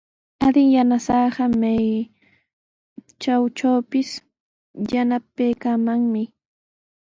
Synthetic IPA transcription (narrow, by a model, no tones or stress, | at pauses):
ad̪ɪŋjanasɑːɢɑmaj | t͡ʃawt͡ʃawpɪs | janapajkamaŋmɪ